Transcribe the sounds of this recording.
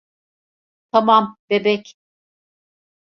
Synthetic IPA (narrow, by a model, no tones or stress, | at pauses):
t̪ʰamamb̥ebɛc